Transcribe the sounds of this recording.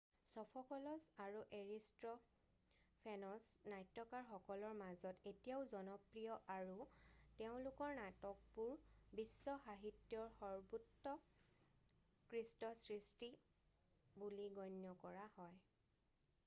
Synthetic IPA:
sɔpʰɔkɔlɔsaɹuʔeɹistɹɔ | pʰɛnɔsnajtːɔkaɹxɔkɔlɔɹmazɔtetijaʊzɔnɔpɹijɔʔaɹuteʊ̃lʊkɔɹnatɔk̚puɹbisːɔxaɦitjɔɹxɔɹbutːɔ | kɹistɔsɹisti | buliɡɔnjɔkɔɹahɔj

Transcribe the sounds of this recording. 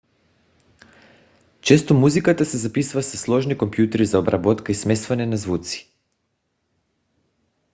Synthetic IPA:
t͡ʃɛst̪omuzikat̪asɛzapisuvasaslˠɔʒnikompjut̪ɛɾizaobɾabɔt̪kaismɛst̪vanɛnazvut̪si̥

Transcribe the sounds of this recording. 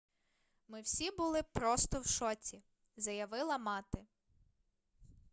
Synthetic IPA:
mɪwsʲibʊlˠɪpɾɔst̪ɔwʃɔtʲi | zɐjɐʋɪlˠɐmɑt̪ɪ

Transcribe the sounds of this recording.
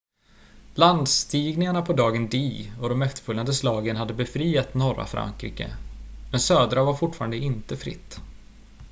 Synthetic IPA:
land̪st̪iːɡnɪŋaɳapʰɔd̪ɑːɡənd̪iːɔd̪ɔmːɛft̪ə̥fɵlːand̪əslɑːɡənhad̪ːəbɛfɾiːat̪nɔɾa̰fɾʔa̰ŋkɾḭːkə̰mɛnsøːd̪ɾavaɾfʊʈfɑːɾand̪əɪnt̪əfɾɪ̰t̪ː

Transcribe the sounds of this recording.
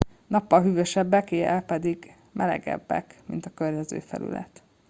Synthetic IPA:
nɒpːɒlɦyːvøʃɛbːɛkeːɛpɛd̪iɡ | mʔɛlɛ̰ɡɛ̰bːɛ̰kmint̪ɒkørɲɛzø̰ːfɛ̰ly̰lɛt̪

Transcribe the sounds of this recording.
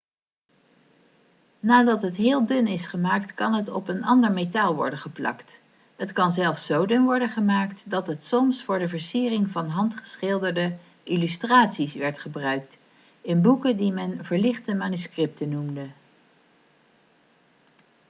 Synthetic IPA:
naːdɑtɦətɦɪːlˠdɵnɪsχəmaːktkɑnɦətɔ̰pənɑndəɹmetaːlˠʋɔ̰ɹdəχəplɑ̰kt | ɦətkɑnzɛlˠfsowdɵnʋɔɹdənχəmaːktdɑtɦətsɔmsfʊːɹdəvəɹsiːrɪŋvɑnɦɑntχə̥sχɪlˠdəɹdə | ʔilystraːtsisʋɛɹtχəbrœɥk̚t | ɪnbukədimɛnvəɹlɪχtəmaːnyskrɪp̚tənumdə

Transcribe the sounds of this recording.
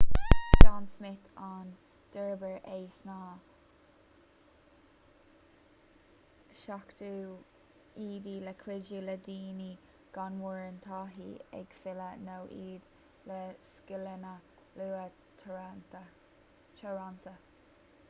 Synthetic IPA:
ansmɪt̪ʰan | d̪̥əɹbəɹʔejsnaː | ʃakt̪uː | iːd̪iləkʰwɪduləd̪iːni | ɡ̥anwəɹənt̪ʰɑːɦḭɛ̰ɡ̥sɪlənowʔiːd̪ | ləskɪlənə | luːə | t͡ʃʰɔɹant̪ə

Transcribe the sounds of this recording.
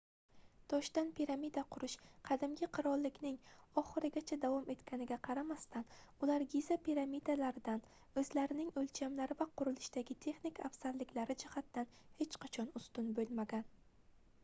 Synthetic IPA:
t̪ʰɒʃt̪anpʰiɾamid̪aqʰʊɾɪʃqʰɑd̪ɪmɡʲɪqʰɨɾɒlˠːɪkʲnɪŋɒχɨɾɪɡʲat͡ʃʰad̪avɒme̞t̪kʲʰanɪɡʲaqʰɑɾamast̪anʊlaɾɡʲizapʰiɾamid̪alaɾɪd̪an | ɵzlaɾɪnɪŋɵlt͡ʃʰamlaɾɪvaqʊɾɪlɪʃd̪aɡʲɪt̪ʰe̞χnikʰafsaɾlɪkʲlaɾɪd͡ʒɪhat̪ːanhe̞t͡ʃqʰɑt͡ʃʰɒnʊst̪ʊnbolˠmaɡʲan

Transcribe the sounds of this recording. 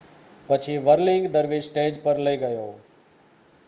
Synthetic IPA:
pɐt͡ʃʰiʋəɾlɪ̃ŋɡd̪əɾʋesʈeːd͡ʒpəɾləiɡɐjoː

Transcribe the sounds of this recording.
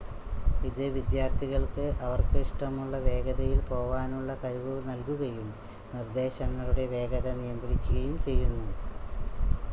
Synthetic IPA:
iðɨʋid̪jaːrt̪ʰiɣɐɭkɨʔɐʋɐrkɨiʂʈɐmuɭːɐʋe̞ːɡɐðɐjilpo̞ːʋaːnuɭːɐkɐɻiʋuʋnɐlkuɣɐjum | nird̪e̞ːɕɐŋːɐɭuɽe̞ʋe̞ːɡɐðɐnijɐnd̪ɾikʲːuɣɐjumt͡ɕe̞jːunːu

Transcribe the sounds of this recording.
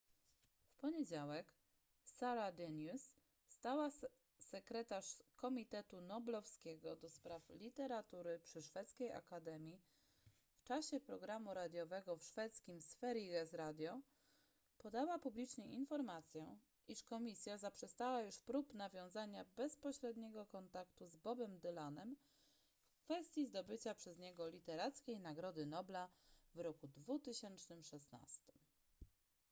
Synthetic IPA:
fpɔɲed͡ʑawɛk | saɾad̪ɛnusː | t̪awa | sɛkɾɛt̪aʂkɔmʲit̪ɛt̪unɔblɔfskʲɛɡɔd̪ɔspɾaflʲit̪ɛɾat̪uɾɘpʂɘʂfɛt̪skʲeja̰kad̪ɛmʲji | ft͡ʂaɕɛpɾɔɡɾamuɾad̪ʲjɔvɛɡɔfʂfɛt̪skʲimsfɛɾʲiɡɛsɾad̪ʲjɔ | pɔd̪awapublʲit͡ʂɲɛinfɔɾmat̪sʲjɛ | ʔiʂkɔmʲisʲjazapʂɛst̪awajuʂpɾupnavʲjɔ̃w̃zaɲabɛspɔɕɾɛd̪ɲɛɡɔkɔnt̪akt̪uzbɔbɛmd̪ɘlanɛm | fkfɛst̪ʲjizd̪ɔbɘt͡ɕapʂɛzɲɛɡɔlʲit̪ɛɾat̪skʲejnaɡɾɔd̪ɘnɔblavɾɔkud̪vut̪ɘɕɛnt͡ʂnɘmʂɛsna̰st̪ɘ̥m

